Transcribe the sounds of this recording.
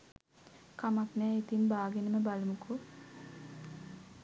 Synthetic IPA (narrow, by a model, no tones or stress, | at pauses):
kamaknɛːit̪inbaːɡenəməbalmukʰu